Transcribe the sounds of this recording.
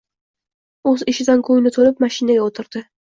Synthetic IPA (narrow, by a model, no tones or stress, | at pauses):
ɵzɪʃɪd̪ankʰɵjnɪt̪ʰolɪp̚maʃɪnaɡʲaot̪ʰɪɾd̪̥ɪ